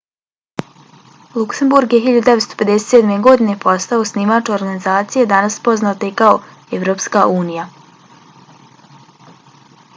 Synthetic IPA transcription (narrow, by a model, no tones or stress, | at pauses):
lˠuksembuɾɡjeɦilʎad̪ud̪eet̪st̪ope̞d̪eset̪sed̪me̞ɡo̞d̪inepo̞st̪aosnimaːt͡ʃooɾɡanizaːt̪sijed̪anaspo̞znaot̪eikao | eʋɾo̞ːpskaʔuːnija